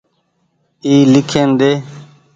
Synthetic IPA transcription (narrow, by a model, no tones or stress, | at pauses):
iːlɪkʰeːnd̪eː